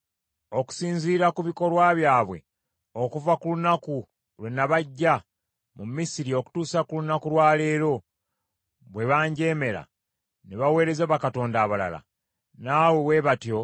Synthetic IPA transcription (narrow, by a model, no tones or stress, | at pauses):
o̞ku̥siːnziːɾakuβiko̞lwaβjaːβwe̞̰ | o̞kuvakulunaku | lwe̞nːaβaɟːa | mumisiɾio̞ku̥tuːsakulunakulwaːle̞ːɾo̞ | βwe̞βaːɲɟe̞ːme̞ɾa̰ | neβawe̞ːɾe̞zaβakato̞ːndaːβala̰la̰ | naːwewe̞βatjo̞